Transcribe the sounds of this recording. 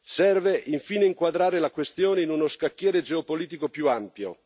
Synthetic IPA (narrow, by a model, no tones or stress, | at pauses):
sɛrveʔiɱfiːneiŋkwad̪ɾaːɾelakwest̪joːneinunoskakːjɛːɾed͡ʒeopoliːt̪ikopjuampjo̰